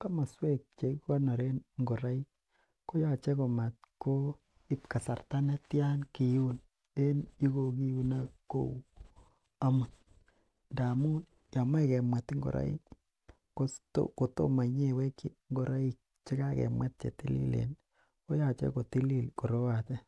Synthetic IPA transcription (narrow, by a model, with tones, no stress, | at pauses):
ka˦ma˨swe˦k̚t͡ʃe˨˦kka˦no˨ɾe˦nŋɡo˨ɾa˦i˦ | ko˦ja˨t͡ʃe˦ko˨ma˨t̪ko˦ | ɪ˦pka˨sa˨rta˦ne˦tja˦nki˨ju˦n | e˦ni˦ko˨ki˦ju˦na˦ko̰˦˨w | a˦mʊ˨n | nda˨mu˦n | ja˨mwɛ˦kɛ˨mwɛ˨tŋɡo̰˨ɾʔa̰˦ḭ˦ | ko˦to̰ko˨to̰˦ma˨ɲe˦we˦ki˦ | ŋɡo˨ɾa˦i˦k̚ | t͡ʃɪ˦ka˦kɛ̰˨mwɛ˦t̚t͡ʃḛ˨ti˦lḭ˦lḛ˨n | ko˦ja˨t͡ʃḛ˦ko˨ti˦li˦˨lko˨ɾo˦wa˨tɛ˦